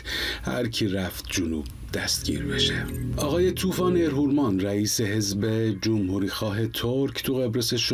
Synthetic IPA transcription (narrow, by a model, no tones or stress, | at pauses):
hæ̰ɾcʰiɾæft̪̚ʰd͡ʒunṵːb̥̚ | d̪̥æst̪̚ɟ̥ʲḭːɾbe̞ʃeʔɒːɣɒːje̞t̪ʰuːfɒːneɾɦuɾmɒnræiːse̞ɦe̞zbe̞d͡ʒomhuɾiːxɒːɦe̞t̪ʰoɾcʰt̪ʰuɣe̞bɾeseʃ